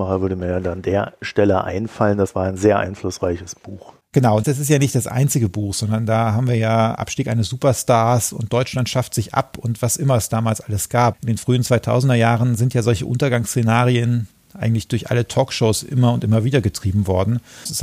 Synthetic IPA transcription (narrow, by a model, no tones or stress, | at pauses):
maχəvʏɐɾəmiːɐjandandeːɐʃtɛlə̰ʔa̰ɪnfaləndasv̥aːɐaɪnzeːɐʔa̰ɪnflʊsʁaɪçəsb̥uːx | ɡ̥ənaʊʊntd̥as̬ɪstjaːnɪçt̚d̥asʔa̰ɪnt͡sɪɡəbuːxz̥ɔndɐndaːɦaːbmviːɐjaːʔa̰pʃtiːkʔaɪnəsz̥uːpɐstaːɐsʊ̰nt̚d̥ɔʏt͡ʃlantʃaftz̥ɪçʔa̰pʊntv̥asʔɪmɐɛsd̥aːmaːlsʔaləsɡ̥aːpʔɪndeːnfʁ̥yːənt͡sv̥aɪtʰa̰ʊzn̩dɐjaːʁənzɪntʰjaːzɔlçəʔʊ̰ntɐɡaŋst͡senaːʁiən | ʔa̰ɪɡŋ̩tlɪçd̥ʊɐçʔa̰lətʰɔːkʃoʊsʔɪ̰mɐʊntʔɪmɐviːdɐɡətʁ̥iːbm̩vɔɐdn̩sɪs